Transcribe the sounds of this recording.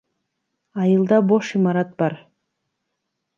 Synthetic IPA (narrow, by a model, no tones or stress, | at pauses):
ɑjɯlˠd̪ɑboʃimɑɾɑt̪̚bɑɾ